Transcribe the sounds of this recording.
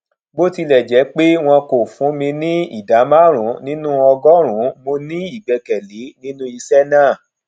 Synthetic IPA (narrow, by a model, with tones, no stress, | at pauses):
bo˦ti˧lɛ˨d͡ʒɛ˨˦k͡pe˦w̃ɔ̃˧ko˨fũ˨˦mĩ˧nĩ˦ḭ˦˨da˨˦mã˦˨ɾ̃ũ˨˦nĩ˦nũ˦ɔ˧ɡɔ˦ɾ̃ũ˨˦mo˧nĩ˦i˦˨ɡ͡bɛ˨˧kɛ˨le˨˦nĩ˦nũ˦i˧sɛ˦nãː˦˨